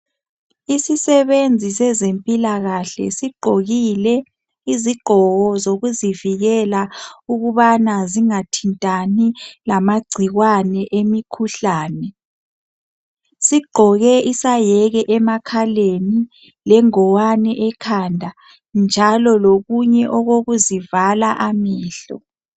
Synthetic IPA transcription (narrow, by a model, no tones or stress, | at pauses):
isisɛβend͡zʱisɛzempʼilaɣaɬɛ̰siɡ͡ǃʱoɣilɛ | iziɡ͡ǃʱɔɣɔzoɣuziviɣɛlauɣuβanaziŋatʰintʼanilamaɡ͡ǀʱiɣwanɛʔemikʰuɬaːnɛ | siɡ͡ǃʱɔɣɛʔisajɛɣɛʔɛmakʰaleni | lɛŋɔwanɛʔɛkʰandʱa | nd͡ʒʱalɔloɣuɲɛʔɔɣoɣuzivalaʔamiːɬɔ̰